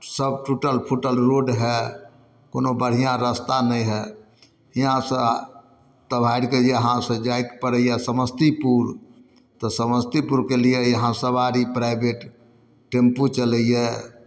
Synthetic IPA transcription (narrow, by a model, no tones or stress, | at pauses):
səbʈuʈəlpʰuʈəlɾoɖɦɛ | konobəɽ̤ijãɾəst̪anəiɦɛ | iãsə | t̪əbʱaiɖked͡ʒeɦãsə̃d͡ʒajt̪pəɾəijɛsəməst̪ipuɾ | t̪ɔsəməst̪ipuɾkelijejəɦãsəbaɾipɾaɪbeʈ | ʈemput͡ʃələjɛ